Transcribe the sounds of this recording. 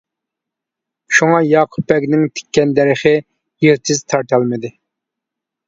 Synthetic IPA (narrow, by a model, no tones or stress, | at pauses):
ʃuŋɑjɑːqʰʊpːɛkʲnɪŋt̪ʰɪ̥kʲʰːɛnd̪ɛɾɪχɨ | jeɾt̪ʰɪzt̪ʰɑɾt̪ʰɑlˠmɪd̪ɪ